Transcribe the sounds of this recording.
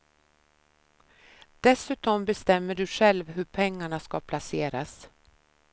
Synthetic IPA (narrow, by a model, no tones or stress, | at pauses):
d̪̥ɛsʉ̟ːt̪ɔmbɛst̪ɛmːəɖɵɧɛlvɦɵɾpʰɛŋːaɳaskapʰlaseːɾas